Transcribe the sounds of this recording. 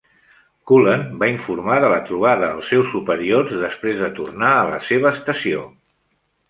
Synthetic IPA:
kulənbaiɱfuɾmaðələt̪ɾuβ̞aðəːlˠsːɛwsːupəɾiorzðəspɾezðət̪urnaələ̰seβ̞əːst̪əsio̰

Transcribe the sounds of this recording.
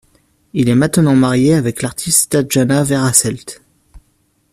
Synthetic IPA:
ilɛmɛ̃t̪nɑ̃maʁjeavɛklaʁt̪ʰist̪t̪ad̪ʒanavɛʁasɛlt̪

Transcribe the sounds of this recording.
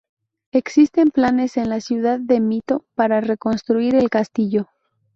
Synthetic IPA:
e̞ksist̪e̞mplane̞se̞nlasjuðaðːe̞mit̪o̞paɾare̞ko̞nst̪ɾuiɾe̞lkast̪iʝo̞

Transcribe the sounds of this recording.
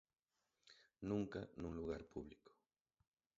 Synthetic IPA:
nuŋkanuluɣaɾpuβliko̥

